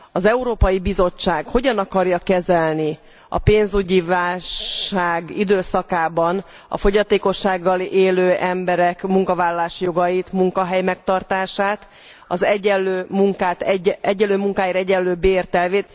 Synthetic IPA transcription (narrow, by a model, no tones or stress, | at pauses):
ɒzɛuɾoːpɒjibizo̞t͡ʃːaːɡho̞ɟɒnɒkɒrjɒkɛzɛlni | ɒ̰peːnzuɟivaːlʃʃaːɡid̪øːsɒkaːbɒn | ɒ̰fo̞ɟɒt̪eːko̞ʃːaːɡːɒleːløːʔɛmbɛɾɛkmuŋkɒvaːlːɒlaːʃjo̞ɡɒjit̪muŋkɒɦɛjmɛkt̪ɒrt̪aːʃaːt̪ | ɒzɛɛlːøːmuŋkaːt̪ɛɛɟːɛlːøːmuŋkaːjiːɾɛɟɛlːøːbeːrt̪ɛlveːt̪